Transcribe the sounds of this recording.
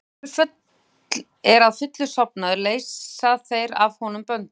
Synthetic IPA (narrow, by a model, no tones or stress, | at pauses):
fʏt̪ | l | ɛɾaðfʏt̪lʏsɔp̚naðʏɾleːjsaθejɾavhɔn̪ʏmpœnt̪